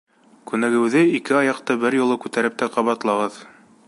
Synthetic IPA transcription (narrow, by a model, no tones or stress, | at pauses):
kʉnæɡɘ̆wðɘikɘɑjɑq̚t̪ɤbɘɾjŏlˠɤkʉt̪æɾɘp̚t̪æqɑβɑt̪lˠɑʁɤð